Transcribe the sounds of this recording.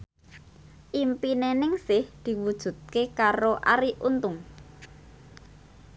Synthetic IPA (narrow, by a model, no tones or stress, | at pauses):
ʔimpinenɪŋsɪhd̪̥i̤wud̥ʒ̥ṳt̪̚kekaɾoʔa̰ɾiʔunt̪ʊŋ